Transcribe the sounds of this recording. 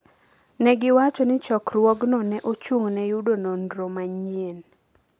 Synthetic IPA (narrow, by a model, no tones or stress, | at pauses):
nɛɡɪwat͡ʃɔnɪt͡ʃɔkɾwɔɡnɔnɛʔot͡ʃuŋnɛjudonondɾomaɲien